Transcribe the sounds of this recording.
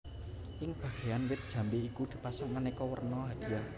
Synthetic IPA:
ʔɪŋb̥ä̤ɡ̥e̤janwɪt̪̚d̥ʒ̥a̤mbeikud̪̥i̤pasaŋmanikɔwə̰rnɔɦad̪̥ia

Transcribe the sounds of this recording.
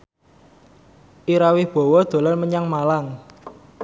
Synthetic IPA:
ʔiɾawɪhb̥ɔ̤wɔd̪̥o̤lɔlməɲaŋmalaŋ

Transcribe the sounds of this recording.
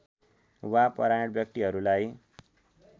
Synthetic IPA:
wapʌɾanʌʈ̚bjʌk̚t̪iɦʌɾulaj

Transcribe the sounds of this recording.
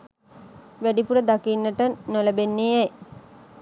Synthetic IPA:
ʋæɖipuɾəd̪akinːəʈənoləbenːejɛj

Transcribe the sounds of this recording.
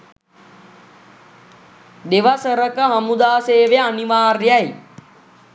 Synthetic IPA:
ɗeʋɐsəɾəkəɦɐmud̪aːseːʋeɐniʋaːrjaj

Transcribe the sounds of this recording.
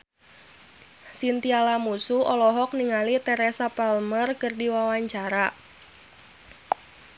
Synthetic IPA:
sint̪ialamusuʔɔlɔɦɔk̚niŋalit̪ɛɾɛsapɛlmərkərdiwawaɲt͡ʃaɾa

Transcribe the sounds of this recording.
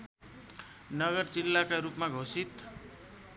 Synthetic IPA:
nʌɡʌrd͡zilːakaɾupmaɡʱosit̪

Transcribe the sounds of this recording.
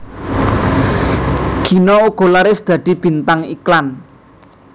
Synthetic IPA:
ɡ̥i̤nɔuɡ̥ɔ̤laɾɪsd̪̥ä̤d̪̥i̤b̥i̤nt̪aŋiklan

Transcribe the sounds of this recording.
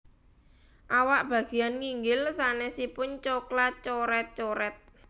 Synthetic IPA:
ʔawaʔb̥ä̤ɡ̥e̤janŋiŋɡɪlsanɛsipʊɲt͡ʃoklat̪̚t͡ʃoɾɛt̪̚t͡ʃoɾɛt̪̚

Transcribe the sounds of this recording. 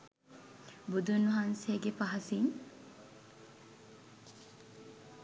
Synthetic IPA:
bud̪unɐɦanseːɡepɐɦɐsiŋ

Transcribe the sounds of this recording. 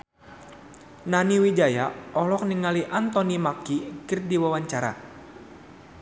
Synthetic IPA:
naniwid͡ʒajaɔlɔk̚niŋaliʔant̪ɔnimakikɨrdiwawaɲt͡ʃaɾa̰

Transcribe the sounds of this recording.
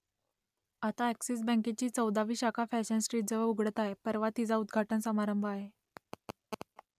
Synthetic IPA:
at̪aæksis̬bə̃ŋket͡ɕiːt͡səwd̪aʋiːɕakʰafæɕənsʈɾiːʈ̚d͡zəʋəuɡʱɽət̪aɦepəɾʋat̪id͡zaud̪ɡʱaʈənsəmaɾəmbʱəaɦe

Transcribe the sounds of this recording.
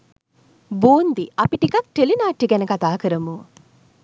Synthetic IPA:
buːnd̪iʔapiʈikak̚ʈelinaːʈːiɡænəkat̪aːkəɾəmu

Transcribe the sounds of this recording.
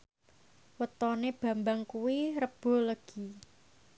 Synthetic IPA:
wət̪ɔneb̥ä̤mbaŋkuwiɾəb̥o̤ləɡ̥i̤

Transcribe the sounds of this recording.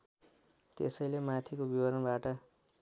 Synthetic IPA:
t̪esʌjlemat̪ʰikobibʌɾʌnbaʈʌ

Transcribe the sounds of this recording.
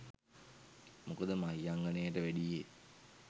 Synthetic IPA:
mokəd̪əmaijaŋɡanejəʈəʋæɖije

